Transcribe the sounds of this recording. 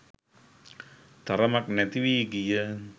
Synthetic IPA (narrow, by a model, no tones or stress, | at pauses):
t̪aɾamak̚nɛt̪iwiɡijə